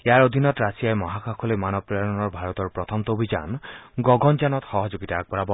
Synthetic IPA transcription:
eaɹod̪ʱinɔt̪ɾasijajemɔɦakʰakʰɔlemanɔbɾaɹɔnɔɹbʱaɹɔt̪ɔɹpɹɔt̪ʰɔmt̪obʱid͡ʒa̰nɡɔɡɔnd͡ʒanɔt̪xɔɦɔd͡ʒoɡit̪aːk̚bɔɾabɔ

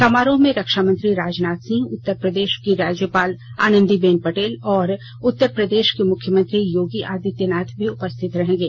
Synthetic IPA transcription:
t̪ɐmaːɾõmẽɾɐkʃaːmə̃nt̪ɾiɾaːd͡ʒnaːt̪sɪ̃ŋɡʊt̪ːəɾpɾəd̪eːʃkiɾaːd͡ʒjəpaːla̰ːnə̃nd̪ibeːnpɐʈeːlɔːɾ | ʊt̪ːəɾpɾɐd̪eːʃkemʊkʰjəmə̃nt̪ɾijoːɡiʔaːd̪ɪt̪jənaːt̪ʰbʱiʊpəst̪ʰɪt̪ɾɐɦẽːŋɡeː

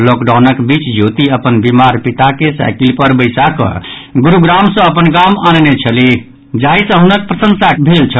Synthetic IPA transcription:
lokɖawnəkbit͡ʃd͡ʒʱot̪iəpənbimaɾpit̪akesa̰jkilpəɾbəjsakə̰̃ɡuɾuɡɾamsə̃əpənɡamannet͡ʃʰəli | d͡ʒaisə̃ɦunək̚pɾəsə̃nsakbʱelt͡ʃʰə

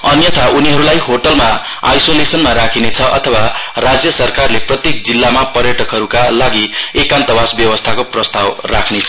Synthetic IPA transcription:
ʌnjʌt̪ʰaʔuniɦʌɾulajɦoʈʌlma | ajsolesʌnmaɾakʰinet͡sʰʌʔʌ̰t̪ʰʌwarad͡zjʌsʌrkarleprʌt̪jek̚d͡zilːamapʌrjʌʈʌkɦʌɾukalaɡiekant̪ʌbasbjʌwʌst̪ʰakoprʌst̪awrakʰnet͡sʰʌ

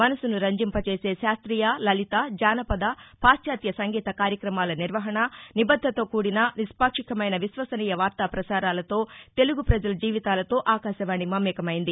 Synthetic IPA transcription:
mɐnɐsunuɾɐɲd͡ʒimpɐt͡ʃe̞ːse̞ːʃaːst̪ɾiːjaːlɐlit̪aːd͡ʒaːnɐpɐd̪apaːsjaːt̪jɐsɐŋɡiːt̪ɐkaːɾjɐkɾɐmaːlɐniɾʋɐɦɐɳɐnibɐd̪ʱːɐt̪o̞ːkuːɽinɐnispaːkʂikɐmɐjnɐʋisʋɐsɐniːjɐʋaːɾt̪aːpɾɐsaːɾaːlɐt̪o̞ːt̪e̞luɡupɾɐd͡ʒɐlɐd͡ʒiːʋit̪aːlɐt̪o̞ːʔaːkaːʃɐʋaːɳimɐmːɛːkɐmɐjind̪i

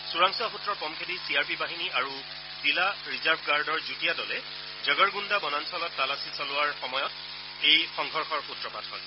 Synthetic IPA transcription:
suɹaŋsuaxutːɹɔɹpɔmkʰetisiaɹpibaɦiniʔaɹu | z̥ilaɹizaɹbʰʱɡaɹdɔɹzutijadɔlɛ | zɔɡɔɹɡundabɔnansɔlɔtːalasisɔlʊwaɹxɔmɔjɔt | ejxɔŋɡʱɔɹxʰɔɹputɹɔpatɦɔ̰j

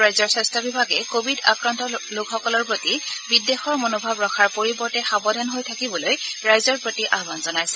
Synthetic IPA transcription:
ɹajzɔɹsɛstʰabibʱaɡɛkobʱidakɹantɔlʊkxɔkɔlɔɹpɹotibidexɔɹmonobʱabɹɔkʰaɹpoɹibɔɹtɛxabɔdʱanɦojtʰakibɔlojɹajzɔɹpɹotiʔaɦbanzɔnajsɛ̥

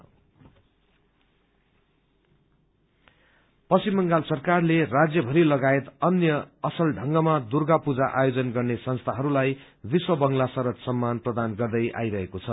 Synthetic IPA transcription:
pʌsimːʌŋɡalsʌrkarlerad͡zjʌbʱʌɾilʌɡaet̪ʌnjʌːsʌlɖʱʌŋɡʌmad̪urɡapud͡zaʔajod͡zʌnɡʌrnesʌnst̪ʰaɦʌɾulaj | biswʌbʌŋlasʌɾʌt̪sʌmːanprʌd̪anɡʌrd̪ʌjʔa̰jɾʌɦekot͡sʰʌ

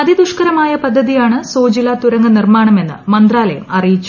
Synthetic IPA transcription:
ɐðid̪uʂkɐɾɐmaːjɐpɐd̪ʱːɐðijaːɳɨsoːd͡ʑilat̪uɾɐŋɡɐnirmaːɳɐme̞nːɨ̰mɐnd̪raːlɐjɐmɐrijit͡ɕːu

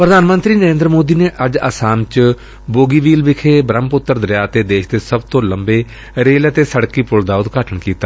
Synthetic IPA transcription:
pɾəd̪aːnmə̃nt̪ɾiːnəɾẽːnd̪ɾəmoːd̪iːneːʔəd͡ʒəsaːmt͡ʃ | boːɡiːʋiːlʋɪkʰeːbɾəmpʊt̪ːəɾd̪ɾɪjaːt̪eːd̪eːʃd̪eːsəbt̪õːləmbeː | ɾeːlət̪eːsəɽkiːpʊld̪aːʊd̪ɡaːʈʰəɳkiːt̪aː

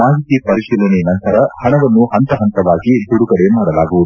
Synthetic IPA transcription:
maːɦit̪ipɐɾiʃiːlɐninɐnt̪ɐɾɐhɐɳɐʋɐnːuhɐnt̪ɐɦɐnt̪ɐʋaːɡid̪uɽuɡɐɽe̞maːɽɐlaːɡuʋud̪u

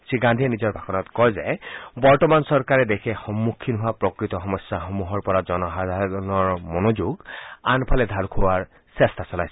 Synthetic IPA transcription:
siɡandʱiɛnizɔɹbʱakɔnɔtkɔjzɛbɔɹtɔmansɔɹkaɹɛdekʰɛxɔmːukʰːinɦʊapɹɔkɹit̪ɔxɔmɔsjaxɔmuɦɔɹpɔɹazɔnɔɦad̪ʱaɔnɔɹmɔnod͡ʒuɡanpʰalɛd̪ʱalkʰowaɹ | sɛstasɔla̰jsɛ̥

